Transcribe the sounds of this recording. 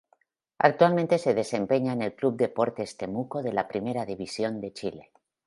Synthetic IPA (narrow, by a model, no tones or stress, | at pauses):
a̰k̚t̪walmẽnt̪e̞se̞ð̞e̞se̞mpe̞ɲaenelklub̚d̪epo̞ɾt̪eːst̪e̞mukoðe̞lapɾime̞ɾaðiβ̞isjo̞nd̪e̞t͡ʃile